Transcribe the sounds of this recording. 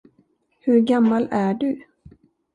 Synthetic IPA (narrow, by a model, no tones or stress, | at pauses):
hɵɾɡamːalæɖɵ